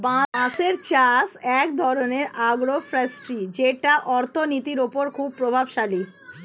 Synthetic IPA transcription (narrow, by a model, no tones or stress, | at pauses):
bããseɾt͡ɕasɛk̚d̪ʱɔɾoneɾaɡɾofʰɾesʈɾid͡ʑeʈaʔɔɾt̪ʰonit̪iɾopoɾkʰub̚pɾobʱabʃali